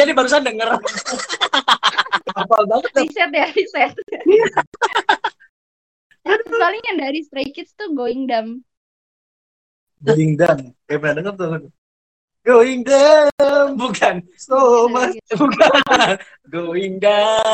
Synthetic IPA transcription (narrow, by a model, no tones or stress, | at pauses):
adibaɾus̬andəŋəɾa | papalbaŋət̪̚dasɛt̪̚jaɾisɛt̪̚ | apalɪŋjaŋdaɾist̪ɾekɪt̪̚st̪uɡoɪŋdam | ɡoiŋdam | apənadəŋərt̪uə | ɡoiŋdəmbukan | somasbukana | ɡoiŋda